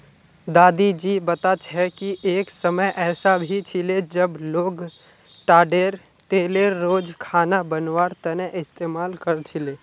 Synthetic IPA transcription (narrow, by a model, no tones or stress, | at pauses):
d̪aːd̪id͡ʒiːbɐt̪at͡ʃʰɛkiʔeːksəməjʔɛːsabʱit͡ʃʰɪled͡ʒəbloːɡ | ʈaːɖeːɾ | t̪eːleɾːoːd͡ʒkʰaːnabənwaːɾt̪əneʔɪst̪eːmaːlkəɾt͡ʃʰɪleː